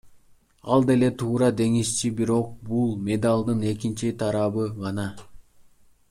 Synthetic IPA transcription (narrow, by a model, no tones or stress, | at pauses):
ɑlˠd̪e̞le̞t̪ʰuːɾɑd̪e̞ŋist͡ʃibiɾo̞q̚bulˠmʲe̞d̪alˠd̪ɯne̞kint͡ʃit̪ʰɑɾɑβɯʁɑnɑ